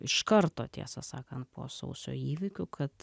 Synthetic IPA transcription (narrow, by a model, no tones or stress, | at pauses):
ɪʃkɐɾt̪oːt̪ʲḭɛsɐsɑːkɐnt̪̚pʰo̰ːsɐ̰ʊsʲo̰ːiːʋʲɪkʲʊkʰɐt̪